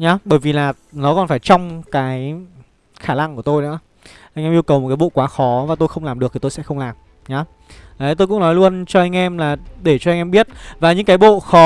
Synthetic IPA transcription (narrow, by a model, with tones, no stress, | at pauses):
ɲaː˨˦ɓəː˧˩jvi˨˩laː˨˩ | nɔ˨˦kɔ˨˩nfaː˧˩jt͡ɕɔ˧wŋ͡mkaː˨˦j | xaː˧˩la̰˧˨ŋku˧˩ə˩t̪o˧jnɨ̰˧˥ə | ʔa˧jŋʔɛ˧mʔi˧əwkə˨˩wmo˨˩aː˨˦jɓo̰˧˨kwaː˨˦xɔ˨˦vaː˨˩t̪o˧jxə˧wŋ͡mlaː˨˩mɗɨ˨˩ək̚t̪ʰi˨˩t̪o˧jsɛ̰˧˥xə˧ŋ͡mlaː˨˩m | ɲaː˨˦ | a˨˦t̪o˧jkʊ̰˧˥ŋ͡mnɔ˨˦jlu˧ənt͡ɕɔ˧ʔa˧jŋ̟ʔɛ˧mlaː˨˩ɗe˧˩t͡ɕɔ˧ŋ̟ʔɛ˧mɓi˦˥ət̚vaː˨˩ɲɨ̰˧˥ŋkaː˨˦jɓo̰˧˨xɔ˨˦